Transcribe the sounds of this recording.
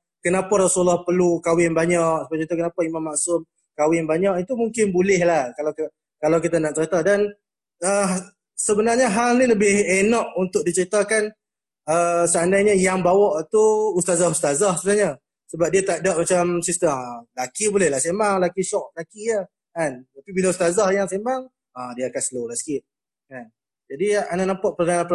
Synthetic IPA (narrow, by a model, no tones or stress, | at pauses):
kənapaɾasulɔhpərlukawɪnbaɲaʔsəbait̪ukənapaimamːaʔsʊm | kawɪnbaɲaʔit̪umuŋkɪnbulɪhlahkala | kalawkit̪anaʔ̚t͡ʃəɾit̪adan | ə | səbənarɲəɦalniləbɪhenɔʔunt̪ʊk̚dit͡ʃəɾit̪akan | əsəandajɲəjaŋbawɔʔt̪uust̪azahust̪azahsəbənaɲə | səbap̚diat̪aʔdaʔ̚mat͡ʃamsist̪əmlakibolɛhlahsemaŋlakiʃɔk̚lakijə | kant̪apibilaust̪azahjaŋsemaŋ | adiaakansəlolahsə̥kɪt̪̚ | kan | d͡ʒadianaʔnampaʔpərdananpəl